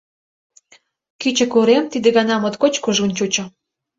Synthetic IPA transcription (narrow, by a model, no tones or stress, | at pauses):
kyt͡ɕə̆kuɾemt̪id̪ĕɣɑnɑmot̪kot͡ɕkuʒunt͡ɕut͡ɕə̆